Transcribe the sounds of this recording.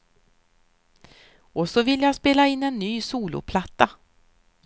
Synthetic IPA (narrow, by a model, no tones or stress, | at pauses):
ɔsɔvɪljaspeːlaɪnːɛnːyːsuːlʊ̰pʰlat̪ːa